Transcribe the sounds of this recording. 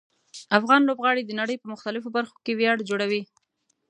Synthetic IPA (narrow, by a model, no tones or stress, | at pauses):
afɣɑnlobɣɑɽed̪ənaɽəjpəmʊxt̪alɪfobaɾxo̥kewjɑɽd͡ʒoɽawi